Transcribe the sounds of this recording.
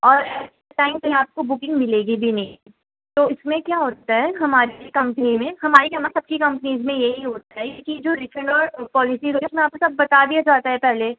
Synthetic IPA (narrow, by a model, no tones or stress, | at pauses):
ɔːɾɛːseʈaːɪmpɐɦaːp̚kobʊkɪ̃ŋɡmɪleːɡibʱinɐɦĩ | t̪oːɪsmẽkjaːɦoːt̪aɦɛɦɐmaːɾikɐ̃mpənimẽɦɐmaːɾikamasɐb̚kikɐ̃mpəniːzmẽjeɦiɦoːt̪aɦɛkid͡ʒoːɾɪkəɖɔːɾpɔːlɪsiɦoːt̪iɛʊsmẽaːp̚kosɐb̚ːɐt̪ad̪iad͡ʒaːt̪aɦɛpɛɦle